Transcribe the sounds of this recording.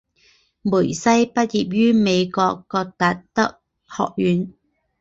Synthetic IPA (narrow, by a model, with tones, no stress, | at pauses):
muː˨˩jsɐ˥jpɐ˥t̚jiː˨p̚jyː˥me˨˧jkɔː˧kːɔː˧k̚t̪ɐ˧t̚t̪ɐ˥k̚ | hɔ̰ː˨k̚jyː˨˧n